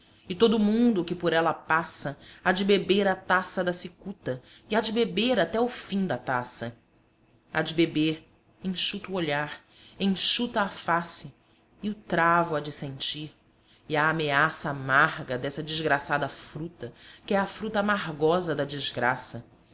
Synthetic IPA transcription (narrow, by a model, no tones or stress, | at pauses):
ɪt̪od̪ʊmũnd̪ʊkɪpoɾɛlɐpasɐad͡ʒɪbebeɾat̪asɐd̪ɐsikut̪ɐ | iad͡ʒɪbebeɾat̪ɛʊfĩd̪ɐt̪asɐ | ad͡ʒɪbebeɾ | ẽʃut̪ɐʊoʎaɾ | ẽʃut̪ɐːfasɪ | ɪʊt̪ɾavʊɐd͡ʒɪsẽnt͡ʃiɾ | ɪaːmeasɐːmaɾɡɐd̪ɛsɐd͡ʒiʒɡɾasad̪ɐfɾut̪ɐkɪɛɐfɾut̪ɐamaɦɡɔzɐd̪ɐd͡ʒiʒɡɾasɐ